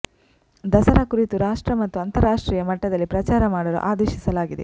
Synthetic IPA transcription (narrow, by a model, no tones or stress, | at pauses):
d̪ɐsɐɾakuɾit̪uɾaːʂʈɾɐmɐt̪ːuɐnt̪ɐɾaːʂʈɾiːjɐmɐʈːɐd̪ɐlːipɾɐt͡ʃaːɾɐmaːɽɐlṵʔaːd̪ɛːʃisɐlaːɡid̪ḛ